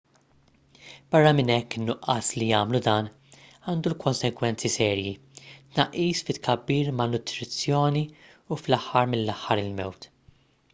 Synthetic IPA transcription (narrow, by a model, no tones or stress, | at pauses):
b̥ɐrːɐmɪnɛkːɪnːʊʔɐslijɐːmlud̪ɐːn | ɐːnd̪ulkɔnsɛɡwɛnt͡sisɛːɾji | t̪nɐʔːiːsfɪt̪ːkʰɐbːiːɾmɐnʊt̪ɾɪt͡sːjɔːni | uflɐħːɐɾmɪnːɐħːɐɾɪlmɛwt̪